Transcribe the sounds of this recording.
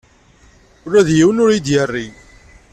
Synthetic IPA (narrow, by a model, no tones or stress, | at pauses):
ʊɾːæðjiwənʊɾid̪jərːi